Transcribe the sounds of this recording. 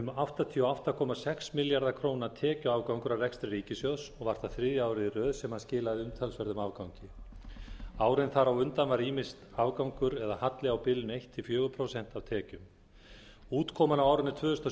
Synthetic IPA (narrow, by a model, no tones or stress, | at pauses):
ʏmaft̪at̪ʰiːɔaft̪akʰɔmasɛksmɪljaɾðakʰɾoːwnat̪ʰɛːcʏavkawŋkʏɾawrɛkst̪ɾɪɾiːcɪsjoðsɔɣvaɾ̥t̪aθɾɪːðjʏaːwɾɪðɪrœːðsɛmhaðscɪːlaðɪʏmt̪ʰalsvɛɾðʏmavkawŋcɪ | aːwɾɪnθaɾawʏnt̪anvaɾiːmɪst̪avkawŋkʏɾɛðahat̪lɪawpɪlɪnejht̪ʰːɪlfjœːɣʏpʰɾowsɛn̥t̪awt̪ʰɛːcʏm | uːt̪kʰɔːmanawawɾɪnɪt̪ʰvœːðʏst̪a